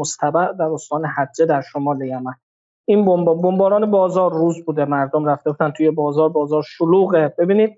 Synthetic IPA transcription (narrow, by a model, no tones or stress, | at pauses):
ost̪ʰæbæʔd̪æɾost̪ɒːnehæd͡ʒːed̪æɾʃomɒːlejæmæn | inbombbombɒːɾɒːnebɒːzɒːɾːuːzbuːd̪emæɾd̪omɾæft̪e̞buːd̪ænt̪ʰujebɒːzɒːɾbɒːzɒːɾʃoluːɣeb̥e̞biːniːd̪